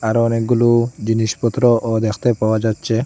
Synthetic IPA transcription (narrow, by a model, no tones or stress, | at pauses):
aɾɔnek̚ɡulud͡ʑiniʃpɔt̪ːɾɔʔod̪ɛkʰt̪epawad͡ʒat̪ːt͡ʃʰe